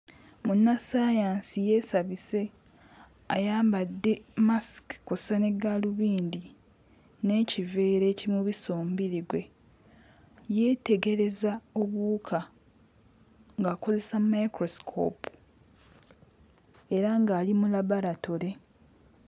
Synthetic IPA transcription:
munːasaːjaːnsije̞ːsaβise̞ | a̰jaːmbadːe̞maskkosane̞ɡaluβiːndi | ne̞ːcive̞ːɾe̞ːcimuβiso̞ːmbiɾiɡwe̞ | je̞ːte̞ɡe̞ɾe̞zao̞βuːkʰa | ŋɡaːko̞ze̞samajkɾo̞skʰo̰ːp | eɾaŋɡaːlimulaβaɾatoɾe̞

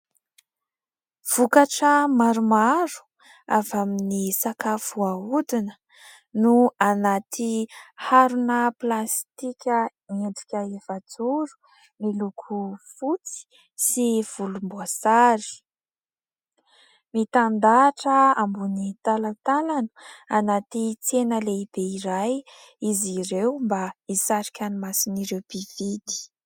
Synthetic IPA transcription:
v̥ukaʈ͡ʂəmaɾumaɾu̥ | avaminisakafuaud̪inə | nuanat̪ʰihaɾunəplast̪ikʲə | eɳɖ͡ʐikʲəevad͡zuɾu̥ | milukʰufut͡si̥ | siv̥ulumbuasaɾi̥ | mit̪and̪aʈ͡ʂəambunit̪alat̪alanə̥anat̪it͡senəleib̥eiɾaj | iziɾewmbaisaɾikʲanimasiniɾewbiv̥id̪i̥

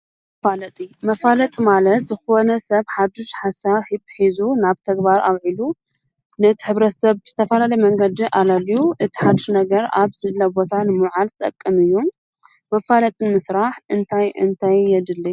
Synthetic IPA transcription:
falɐt̪ʼimɐfalɐt̪ʼmalɐt̪zɨxo̞nɐsɐβħad̪uʃħasaβħibħizunaβt̪ʰɐɡbaɾʔa̰βʕilu | nɐt̪ʰiħɨβɾɐt̪sɐβɨz̥ɨt̪ʰɐfɐlalɐjmɐŋɡɐd̪iʔalaljuʔɨt̪ʰi̥ħad̪uʃnɐɡɐɾa̰βz̥ɨlɐbo̞t̪ʰanɨmuʕalt̪ʼɐkʼːɨmɨjːom | mɐfalɐt̪ʼɨmɨsɾaħɨnt̪ʰajɨ̰nt̪ʰajːɛd̪ɨlːɐ

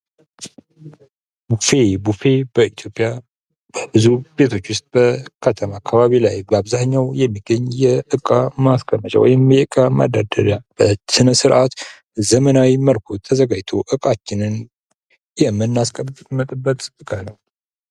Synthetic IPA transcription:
bufebufe̞bəit̪ʰjopʼːja | bɨzube̞t̪ʰo̞t͡ʃːwʊst̪̚ʼb̥əkʰət̪ʰəmakʰːaβaβilajbaβzaɲːawjɛmːiɡəɲːjɛʔɨkʼamaskʼəmːət͡ʃʼa̰wɔ̰jɪmjɛɨkʼama̰d̪ad̪əd̪ab̥əsɨnəsɨɾʔat̪ | zəmənawiməlkʰo̞t̪ʰəzəɡad͡ʒt̪ʰo̞ʔɨkʼat͡ʃːɪnɨn | jɛmːɨnːaskʼəmət̪ʼɨbːət̪ʼɨkʼanəw

